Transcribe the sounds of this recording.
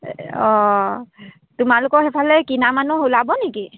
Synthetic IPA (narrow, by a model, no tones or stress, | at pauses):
ɔ | tumalʊkɔxɛpʰalɛkinamanuɦulabɔneki